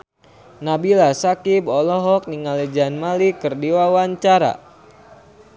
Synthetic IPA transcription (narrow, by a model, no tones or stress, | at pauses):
nabilasakibɔlɔɦɔk̚niŋaled͡ʒanmalikɨrdiwawaɲt͡ʃaɾa̰